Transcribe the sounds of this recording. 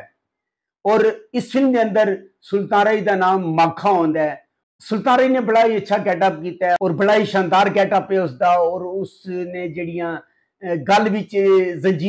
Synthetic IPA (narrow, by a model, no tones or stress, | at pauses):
ɔːɾɪspʰɪlmd̪eːə̃nd̪əɾ | sʊlt̪ãːɾaːiːd̪aːnaːmːaːkʰːaːõːnd̪aːɛ | sʊlt̪ãːɾaːiːnẽːbəɽaːiːətːʃʰaːɡɛːʈəp̚kiːt̪aːɔːɾbəɽaːiːʃãːnd̪aːɾɡɛːʈəpeːʊsd̪aːɔːɾʊsnẽːd͡ʒeːɽɪjãː | ɡəlʋɪt͡ʃzənd͡ʒiː